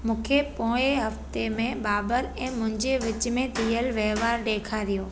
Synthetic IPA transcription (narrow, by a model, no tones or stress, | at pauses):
mũːkʰepõːeɦɐft̪emẽɓaːbəɾɛ̃ːmʊ̃ɦɪ̃ɲd͡ʑeʋɪt͡ɕmẽt̪iːəlʋeɦʋaːɾɗeːkʰaɾijoː